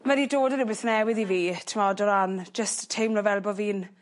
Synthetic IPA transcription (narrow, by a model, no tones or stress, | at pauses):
mədidoːdəɾɪbɪθnɛwɪðiviːtʰɪmɔdɔɾand͡ʒəsttʰejmlɔvɛlˠbɔviːn